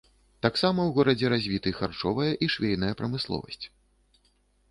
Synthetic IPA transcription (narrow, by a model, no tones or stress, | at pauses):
t̪aksamɐwɣɔɾɐd͡zʲɛɾazʲvʲit̪ɨxart͡ʂɔvɐjɐʔiʂvʲejʲnɐjɐpɾɐmɨslˠɔ̰vɐ̰sʲt͡sʲ